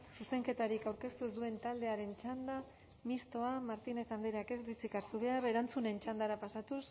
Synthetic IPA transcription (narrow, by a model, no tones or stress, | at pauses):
suse̞ŋke̞t̪aɾikawɾke̞st̪ue̞zd̪ue̞nt̪ald̪e̞aɾe̞nt͡ʃand̪a | mist̪o̞amaɾt̪ine̞θand̪eɾake̞zβit͡sikaɾsuβ̞e̞aɾe̞ɾant͡sune̞nt͡ʃand̪aɾapasat̪us